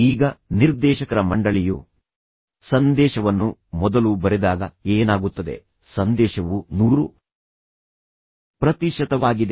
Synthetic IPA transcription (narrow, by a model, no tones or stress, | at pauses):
iːɡɐniɾd̪ɛːʃɐkɐɾɐmɐɳɖɐɭijṵ | sɐnd̪ɛːʃɐʋɐnːumɔd̪ɐlubɐɾed̪aːɡɐeːnaːɡut̪ːɐd̪e̞̰ | sɐnd̪ɛːʃɐʋunuːɾu | pɾɐt̪iʃɐt̪ɐʋaːɡid̪e